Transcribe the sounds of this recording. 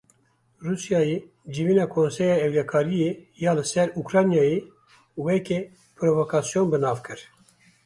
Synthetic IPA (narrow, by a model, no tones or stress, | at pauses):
ruːsjɑːje | d͡ʒiviːnɑːkʰoːnsɛjɑːɛwlɛkʰɑːɾije | jɑːlɨsɛɾukɾɑːnjɑːje | wɛke | pɾovokʰɑːsijonbɨnɑːvkʰɨɾ